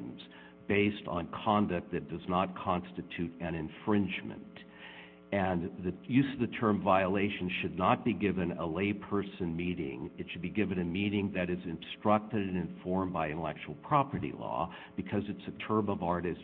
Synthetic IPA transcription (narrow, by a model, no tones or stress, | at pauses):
mz̥ | b̥eɪstn̩kʰɑ̃ndɨk̚ðɨt̚d̥ʌznət̚kʰɑ̃nstɨtʰʉɾɨ̃ñɨ̃ɱfɹɪ̃nd͡ʒmɨ̰̃nt | ɨ̃nðɨjʉzʌvðɨtʰɜ̃˞ɱvaɪəleɪʃɨ̃n̩ʃɨdⁿnət̚b̥iɡɪvɨ̃nə̰leɪpʰɜ˞sɨ̃nmiɾɪ̰̃ŋɨtʃɨd̚biɡɪvɨ̃nɨmiɾɪ̃ŋðɨɾɨzɨ̃nstɹ̥ʌk̚tɨɾɨ̃nɨ̃nfɔɹmbaɪɨ̃ɾəlɛ̰k̚t͡ʃul̩ˠpʰɹ̥ɑpə˞ɾḭlɔ̰ | b̥ɨkʰʌzɨtsɨtʰɜ̃˞mʌvɑɹɾɨs